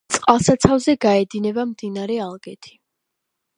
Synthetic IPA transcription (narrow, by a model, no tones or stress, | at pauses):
t̪sʼqʼalˠsat̪sʰavzɛɡaɛd̪inɛbamd̪inaɾɛalˠɡɛt̪ʰi̥